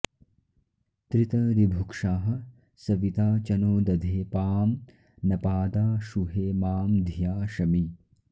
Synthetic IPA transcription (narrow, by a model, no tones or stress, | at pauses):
t̪ɾit̪ɐɾibʱukʂaːɦɐ | sɐʋit̪aːt͡ʃɐnoːd̪ɐd̪ʱeːpaːm | nɐpaːd̪aːʃuɦeːmaːmd̪ʱjaːʃɐmi